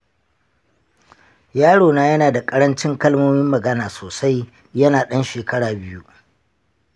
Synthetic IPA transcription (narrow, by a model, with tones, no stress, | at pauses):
jaː˦ɽoː˨naː˦jɐ˦naː˨da˨kʼɐ˦ɽɐ˦nt͡ʃɪ˦ŋkɐ˦lmoː˦mɪ˦mːɐ˨ɡɐ˦naː˨soː˨sa˦j | jɐ˦naː˨ɗɐ˦nʃeː˨kɐ˦ɽaː˨bɪ˦ju˦